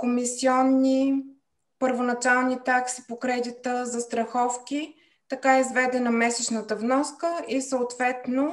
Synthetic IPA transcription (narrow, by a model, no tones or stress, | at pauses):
komisiɔnːi | pəɾvonɐt͡ʃalˠnit̪aksi̥pokɾɛd̪it̪əzɐst̪ɾɐxɔfkʲi | t̪ɐkaizvɛd̪ɛnəmɛsɛt͡ʃnət̪əvnɔskəisəːt̪vɛt̪no